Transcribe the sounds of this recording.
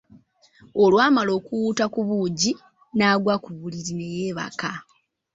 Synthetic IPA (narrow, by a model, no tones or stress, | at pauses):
o̞lwaːmalo̞ːkuwuːtakuβuːɟi | naːɡwakuβuliɾine̞jeːβa̰ka